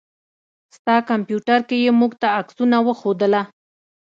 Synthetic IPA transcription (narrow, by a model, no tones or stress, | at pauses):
st̪ɑkampjuʈaɾkejemuɡt̪aːksunawəxod̪əla